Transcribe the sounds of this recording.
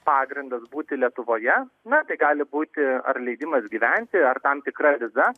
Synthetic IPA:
pɑːɡɾʲɪnd̪ɐsbuːt̪ʲɪlʲiɛt̪ʊʋoːjɛnɐt̪ɐɪɡɑːlʲɪbuːt̪ʲɪɐ̰rlʲɛɪd̪ʲɪmɐsɡʲiːʋʲɛnʲt̪ʲɪɐrt̪ɐmt̪ʲɪkrɐʋʲɪzɐ

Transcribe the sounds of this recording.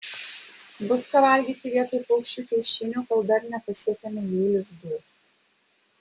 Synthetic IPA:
bʊskɐʋɐˑlʲɡʲiːt̪ʲɪʋʲiɛt̪oːjpɔʊkʃʲt͡ʃʲuːkʲɛʊʃʲɪnʲuːkɐlˠd̪ɐɾnʲɛpɐsʲiɛkʲɛmʲɛjuːlʲɪzb̪u

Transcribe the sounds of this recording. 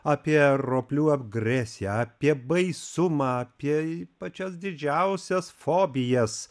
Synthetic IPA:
aːpʲiɛɾoːpʲlʲuːɐbɡɾʲɛsʲjɛɐːpʲiɛbɐɪsʊmɑɐpʲiɛipɐt͡ʃʲɛsd̪ʲɪd͡ʒʲɛʊsʲɛsfoːbʲɪjɛs

